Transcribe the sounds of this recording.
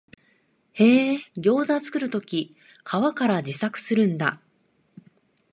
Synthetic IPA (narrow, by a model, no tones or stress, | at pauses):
he̞ːɡʲo̞ːzazɨ̥kɯ̟ɾɯ̟t̪o̞kʲi | kʰaβakaɾad͡ʑisakɯ̟̥sɨɾɯ̟̃nd̪a̰